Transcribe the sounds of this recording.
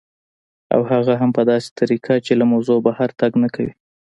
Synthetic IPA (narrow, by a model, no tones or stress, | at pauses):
a̰whaɣaɦampəd̪ɑse̥t̪ʰaɾikʰat͡ʃelamawzobahaɾt̪aɡnakawḭ